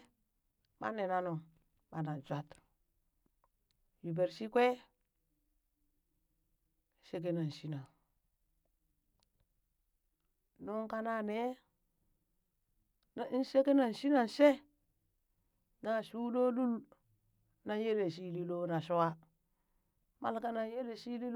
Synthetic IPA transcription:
ma̰˦ne˨na˦nu˨ | ba˨na˨n˨d͡ʒʷa˦t | ju˨be˨ɾsi˦kʷe˦ | se˦k̬e˦na˨n˨si˦na˨ŋ | nu˦ŋka˦na˦˨ne˦ | na˨˦n˦se˦ke˦na˨n˨ʃi˦na˨nse˦ | na˨su˦lo˦lu˦l | na˨je˦le˨s̬i˦li˦lo˦na˨so˦wa˦ | ma̰˦lka˦na˨je˦le˨si˦li˦l

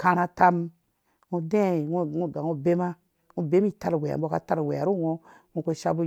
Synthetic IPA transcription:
ka˦˧na˧ta˧m | ŋu˧de˦˨ŋu˦ŋu˦˨ɡa˨ŋu˦be˦ma˦ | ŋu˦be˦m˦i˦˨ta˦ɾwe˨a̰˨m˦bo˦ka˦ta˦ɾwe˨a˨ɾu˦˨ŋo˧ŋu˦kʷe˦ʃa˦bu˦

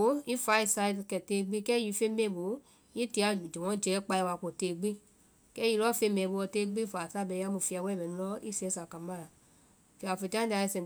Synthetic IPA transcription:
o˨˦i˦fa˨˦i˧sa˧i˧dkɛ˨teː˧ɡ͡bi˦kɛ˦ji˧˦fe˧˦mẽ˦˨bo˨˦ | i˦ti˨˧a˧˨d͡ʒɛ̃˨wɔ̃˨˦d͡ʒɛː˨˦k͡pa˧i˧wa˧ko˨teː˧˨ɡ͡bi˦ | kɛ˦ji˧lɔ˦fe˧˦mɛ̃ː˨˦bo˧ɔ˧teː˧˦ɡ͡bi˦faː˨sa˦˨bɛ˧˦a˧˦mũ˧˨fi˧a˧wɛ˦˨mɛ̃˨nĩ˧lɔ˦i˦si˧ɛ˧˦sa˨ka˨mã˦˨la˨ | fi˧˨a˨fe˧˨tã˦da˧i˧sɛ̃˨

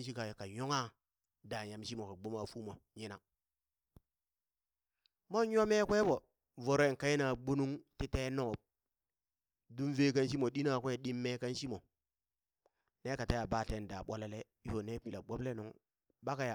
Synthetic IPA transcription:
nʃi˦ka˨ka˨jo˦ŋa˦ | da˨ja˨mʃi˦mo˨ka˨ɡ͡bo˦ma˨fu˦mo˨ɲi˦na˨ | mo˦jo˦me˦kʷe˦bo˨ | vo˨ɾo˦e˨ŋka˦ji˦na˨ɡ͡bo˦nu˦ŋti˦te˦no˦˨b̚ | du˦nve˦ka˦nʃ̬i˦mo˨ɗi˦na˨kʷe˦ɗi˦mːe˦ka˦nʃi˦mo˨ | ne˦ka˨ta˦ja˨ba˦˨te˦n˨da˨ɓo˦la˦le˦ | i˦fo˨ne˦pi˨la˨ɓo˦ble˦nu˨ŋ | ba˦ka˨ja˨

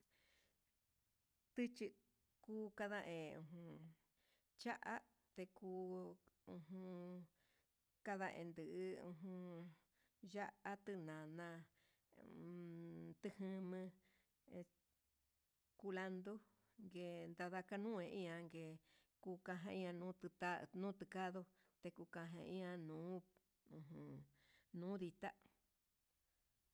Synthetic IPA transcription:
t̪ɨ˦t͡ʃi˧ | kuː˦ka˧ða˧ʔẽ˨ṵ̃˧˨ɦũ˧ | t͡ʃa˦ʔa˦ | t̪e˧kuː˧ũ˧ɦũ˧ | ka˧ðã̰˧ʔḛ̃˨˧nd̪ɨ˨ʔɨ˧ṵ̃˧ɦũ˧ | ʒa˦ʔa˦t̪ɨ˧nã˨nã˧ | t̪ɨ˧hɨ̃˦˧mɨ̃˧ | ku˧la˧nd̪o˦ | ŋɡe˧nd̪a˧ða˧ka˧nũ˦ẽ˧ʔĩ˦ã˧ŋɡe˨ | ku˧kã˧ɦã˧ĩ˦˧ã˧nũː˦t̪t̪a˦nũː˦t̪ɨ˧ka˦ðo˧ | t̪e˧ku˧kã˧ɦḛ̃˧ĩ˦ã˧nũː˨˦ | ũ˧ɦũ˨ | nũː˦ði˧t̪a˦

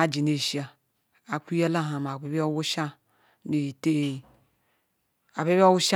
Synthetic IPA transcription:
a˨d͡ʒi˨ne˨ʃi˦a˨ | a˨ku˦ja˦la˦ɦa˨m˨a˨be˨˦bi˦a˦wo˦ʃa˦ | ne˨i˨te˦˨ | a˨be˦bi˦a˦wu˦ʃa˦

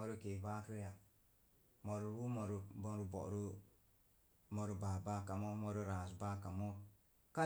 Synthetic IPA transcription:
o˨˦ɾu˦ke˨ba˦kɾe˦ja˨ | mo˨ɾu˨ɾu˦mo˨ɾu˨bɔ˦ɾu˨˦bɔ̰˨ʔɾu˦ | mo˨ɾu˨ba˨ba˦ka˨mo˦mɔ˧ɾu˦ɾaː˨sba˦ka˨mo˦ | ka˦

